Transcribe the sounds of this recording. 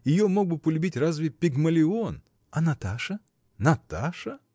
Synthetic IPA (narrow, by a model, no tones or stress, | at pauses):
jɪjomo̞ɡ̚bɨpəlʲʊbʲitʲrazvʲɪpʲɪɡməlʲɪon | ɐnɐt̪aʂə | nɐt̪aʂə